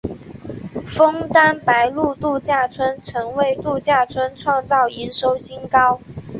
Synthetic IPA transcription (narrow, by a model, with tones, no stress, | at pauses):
fɤ˥ŋt̪a˥npa˧˥ɪlu˥˧t̪u˥˧t͡ɕja˥˩t͡sʰwə˥nʈ͡ʂʰɤ˧˥ŋwe˥˧ɪt̪u˥˧t͡ɕja˥˩t͡sʰwə˥nʈ͡ʂʰwɑ˥˧ŋt͡sɑ˥˩ʊi˧˥nʂo˧˥ʊɕi˥nkɑ˥ʊ